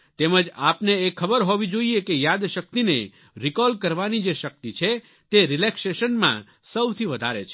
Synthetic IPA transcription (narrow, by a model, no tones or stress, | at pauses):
t̪eməd͡ʒapneekʰːəbəɾɦoʋid͡ʒoiekejad̪ʃək̚t̪inḛ | ɾikɔlkəɾʋanid͡ʒeʃək̚t̪it͡ʃʰe | t̪eɾɪlekseʃənmã̰ | səwt̪ʰiʋəd̪ʱaɾḛt͡ʃʰ